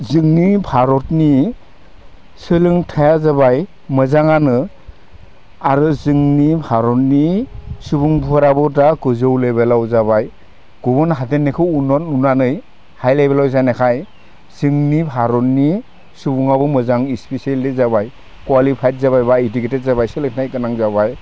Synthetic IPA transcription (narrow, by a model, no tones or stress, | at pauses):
zɯŋnibʱʰaɾɔtni | sɯlɯŋtʰajazabaj | mɯzaŋanɯ | aɾɯzɯŋnipʰaɾɔtnisubuŋbuaɾabɔdaɡɯzɯwlebelawzabaj | ɡ̥ubɔnɦatenːekʰɯwunɔtunanɯj | hajlajbelawzajnekʰaj | z̥ɯŋnibʱaɾɔnːi | subuŋabɔmɯzaŋispiseldizabaj | kwalipʰajt̚zaβajbaitiketet̚zaβajsɯlɯŋʰtʰajkɯnaŋzabaj